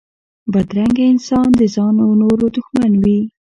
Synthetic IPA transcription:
bad̪ɾaŋɡaɪnsɑnd̪əzɑnawnoɾod̪ʊxmanwi

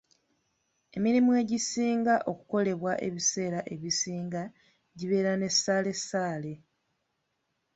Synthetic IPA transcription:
e̞miɾimue̞ɟisiːŋɡaʔo̞ku̥ko̞le̞βwaʔe̞̰βise̞ːɾaʔe̞βisiːŋɡa | ɟiβe̞ːɾane̞sːaːle̞sːaːle̞

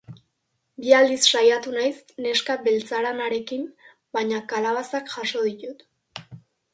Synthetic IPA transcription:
biald̪isʃajat̪unajsne̞skabe̞lt͡saɾanaɾe̞kim | bajɲakalaβasakʝaʃo̞ðit̪ut̪

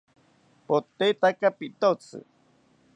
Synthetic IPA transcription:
pot̪ːet̪akapit̪ot͡sɨ̰

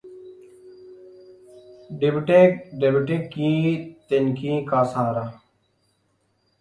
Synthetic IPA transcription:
ɖɪbʈekɖebʈekːĩːt̪enkĩːkaːsaːɾa

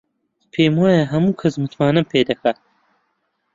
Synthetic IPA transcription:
pʰeːmwaːjɐɦɐmuːkʰɐzmɨt̪ʰmaːnɐpʰeːd̪ɐkɐ

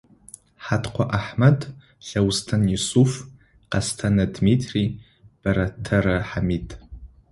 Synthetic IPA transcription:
ħatʰqʷʰaʔaħmɐd | ɬɐwstʰɐnjisuf | qɐstʰanɐdmitʰri | b̥ɐɾɐtʰɐrɐħamitʼ

